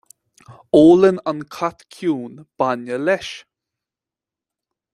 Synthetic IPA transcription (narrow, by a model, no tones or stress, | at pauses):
oːlənankʰat̪kʰjuːnb̥anəlɛʃ